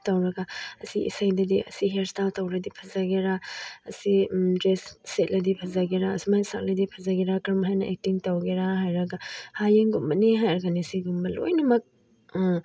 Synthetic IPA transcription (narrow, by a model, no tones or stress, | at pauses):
tɐwɾɐɡaɐsiḭsajdɐdiʔɐ̰siɦeɾstaltɐwɾɐdipʰɐzaɡeɾaɐsidɾesset̚lɐdipʰɐzaɡeɾaɐsimajsak̚lɐdipʰɐzaɡeɾakɾɐmɦajnɐʔek̚tiŋtɐwɡeɾaɦajɾɐɡahajeŋɡumbɐniɦajoɾɡanisiɡumbɐlo̰jnɐmɐk̚